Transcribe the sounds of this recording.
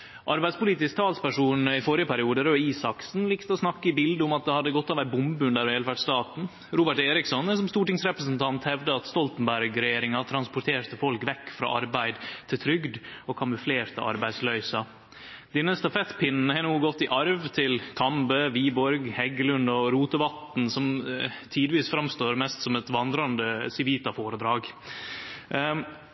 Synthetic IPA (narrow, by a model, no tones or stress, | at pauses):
ʔɑɾbæɪd̪spʊliːt̪ɪsk̚t̪ʰɑːlspæʂuːnɪfoːɾɪəpʰæɾɪuːd̪əɾɔiːsɑksn̩liːkt̪əɔsnɑkːəɪbɪld̪əʊmɑt̪̚d̪ɛhɑd̪ːəɡɔt̪ːɑːʋæɪbʊmbʉnd̪æːɾʋeːlfæɖst̪ɑːt̪n̩ | ɾuːbəʈeːɾɪksɔnɛsɔmst̪uːʈɪŋsɾɛpɾəsn̩t̪ʰɑnt̪hɛʋd̪əɑt̪st̪ɔlt̪n̩bæɾɡɾɛjeːɾɪŋɑt̪ʰɾɑnspʊʈ̪ʰeːɾt̪əfɔlkʋɛkːfɾɑ̰ːʔɑ̰ɾbæɪd̪t̪ʰɪlt̪ʰɾʏɡd̪ɔkʰɑməfleːɾt̪ə̰ʔɑ̰ɾbæɪslœʏsɑ | d̪̥ɪnəst̪ɑfɛt̪ːpʰɪnn̩əhɛnuːɡɔt̪ːɪʔɑɾʋt̪ʰɪlk̪ʰɑmbəːʋiːbɔɾɡhɛɡəlʉnd̪ɔɾuːt̪əʋɑt̪n̩sɔmt̪ʰiːd̪ɪʋiːsfɾɑmst̪oːɾmɛst̪sɔmɛt̪ʋɑnd̪ɾɑnd̪əsɪʋiːt̪ɑfoːɾəd̪ɾɑːɡ